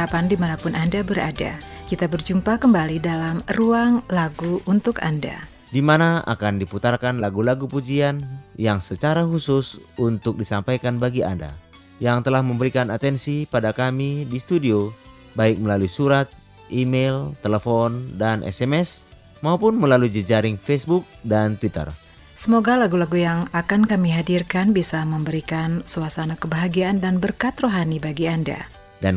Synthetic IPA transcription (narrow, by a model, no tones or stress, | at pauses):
apandimanapʊnʔandabəɾa̰da̰kit̪abərd͡ʒumpakəmbalidalamruaŋlaɡuunt̪ʊka̰nda̰ | dimanaʔa̰kandiput̪arkanlaɡulaɡupud͡ʒianjaŋsət͡ʃaɾahusʊsunt̪ʊk̚disampajkanbaɡia̰nda̰ | jaŋt̪əlahməmbəɾikanat̪ɛnsipadakamidist̪udio | baɪk̚məlaluisuɾat̪̚ | ʔimelt̪ɛlɛfɔndanʔɛ̰sɛmɛs | maupʊnməlalud͡ʒəd͡ʒaɾɪŋfɛsbuk̚dant̪wit̪ə̰r | səmoɡalaɡulaɡujaŋakankamiɦadirkanbisaməmbəɾikansuasanakəbaɦaɡiaʔːndanbərkat̪roɦanibaɡianda̰ | dan